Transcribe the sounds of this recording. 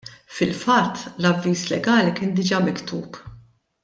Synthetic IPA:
fɪlfɐt̪ːlɐvːiːslɛɡɐːlikɪːnd̪ɪd͡ʒɐmɪkt̪ṵːp

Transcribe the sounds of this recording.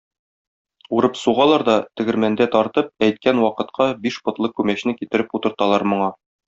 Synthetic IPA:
uɾɤpsuʁɑlˠɑɾd̪ɒt̪ɘ̆ɡɘ̆ɾmænd̪æt̪ɒɾt̪ɤp̚æjt̪̚kænwɒqɤ̆t̪qʰɑbiʃbŏt̪lˠɤkʉmæɕnɘkit̪ɘ̆ɾɘput̪ɤ̆ɾt̪ɑlˠɑɾmŏɴɑ

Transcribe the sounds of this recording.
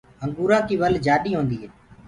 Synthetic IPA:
ɦəŋɡuːɾãːkiːʋəld͡ʒaːɗiːɦõːnd̪iːɦeː

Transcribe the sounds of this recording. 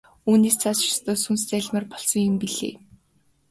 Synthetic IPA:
uːneːst͡sʰast͡ɕɪ̥st̪ʰɔːsunst͡sæɮʲmaːrpɔɮsɞ̆ŋjʊmpiɮḛː

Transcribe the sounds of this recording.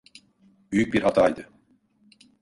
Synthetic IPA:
byjyc̚biɾɦat̪ʰaːid̪ɯ

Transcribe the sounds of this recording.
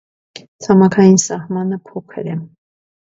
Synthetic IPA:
t͡sʰɑmɑkʰɑjinsɑhmɑnəpʰɔkʰə̰ɾɛ

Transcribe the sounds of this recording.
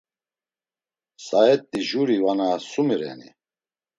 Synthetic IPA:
saɛt̪ʼːiʒuɾivanasumiɾɛ̰nḭ

